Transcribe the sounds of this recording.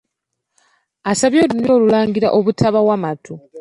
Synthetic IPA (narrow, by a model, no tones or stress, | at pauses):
asaβjoːluno̞ːlulaːŋɡiɾa̰ʔoβutʰaβawamatʰu